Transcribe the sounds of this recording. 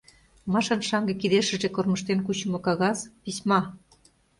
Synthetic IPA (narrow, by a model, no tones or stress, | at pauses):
mɑʃɤ̆nʃɑŋɡĕkiðeʃə̆ʒekorməʃt̪enkut͡ɕə̆mŏkɑɣɑspismɑ